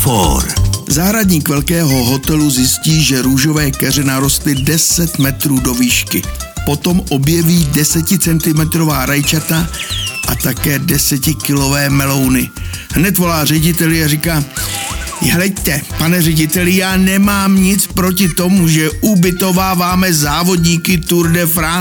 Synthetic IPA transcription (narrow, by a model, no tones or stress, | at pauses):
fo̰ɾzaːɦɾadɲiːkvɛlkɛːɦo̞ɦo̞t̪ɛluzjɪsciːʒɛɾuːʒo̞vɛːkɛr̝ɛnaɾo̞st̪lɪdɛsɛt̪mɛt̪ɾuːdo̞viːʃkɪ | po̞t̪o̞mʔo̞bjɛviːdɛsɛcɪt͡sɛnt̪ɪmɛt̪ɾo̞vaːɾajt͡ʃat̪aʔat̪akɛːdɛsɛcɪkɪlo̞vɛːmɛlo̞wnɪ | ɦnɛt̪vo̞laːr̝ɛɟɪt̪ɛlɪarikaː | ɦlɛct̪ɛpanɛrɛɟɪt̪ɛlɪjaːnɛmaːmɲɪt͡spɾo̞cɪt̪o̞muʒɛʔubɪt̪o̞vaːvaːmɛzaːvo̞dɲiːkɪt̪uɾdɛfɾaː